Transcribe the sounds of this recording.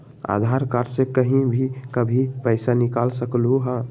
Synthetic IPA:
a̰d̪ʱaɾkaɾsekəɦĩbʱikəbʱipəɪsanikalsəklɦuɦã

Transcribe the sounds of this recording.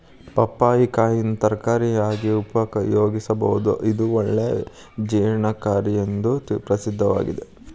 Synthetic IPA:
pɐpːaːjikaːjinut̪ɐɾkaːɾiaːɡiupɐkɐjoːɡisɐbɐɦud̪uʔid̪uɔɭːe | d͡ʒɛːɳɐkaːɾijend̪upɾɐsid̪ʱːɐʋa̰ːɡid̪e

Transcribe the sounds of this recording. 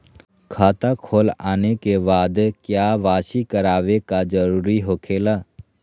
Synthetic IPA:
kʰaːt̪akʰoːla̰ːnekebaːd̪kjaːʋaːʃikəɾaːʋekad͡ʒəɾuːɾiɦoːkʰeːlaː

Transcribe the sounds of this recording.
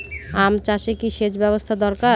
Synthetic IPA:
amt͡ɕaʃekiʃed͡ʑbɛbost̪ʰad̪ɔɾka

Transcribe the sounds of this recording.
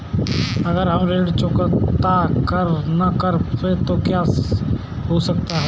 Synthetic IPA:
ɐɡəɾɦəmɾeːɽt͡ʃõkət̪akəɾnəkəɾet̪okjaːs | ɦosək̚t̪aɦɛ

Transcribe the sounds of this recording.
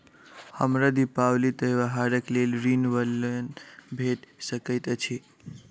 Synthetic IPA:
həmɾad̪ipawlit̪əjʋaɦaɾəklelɾinʋələnbʱeʈsəkəjt̪t͡ʃʰi

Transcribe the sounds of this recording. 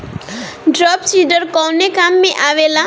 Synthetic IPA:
ɖɾɔpsiɖəɾkɔnekamːẽʔaʋela

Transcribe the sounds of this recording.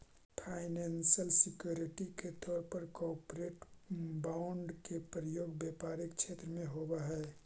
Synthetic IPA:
pʰaːɪnensəlsɪkjuːɾiʈiket̪ɔːɾpəɾkɔːɾpɾeʈbaʊɳɖkepɾəjoːɡbjepaːɾɪkt͡ʃʰeːt̪ɾəmẽɦobaɦɛ

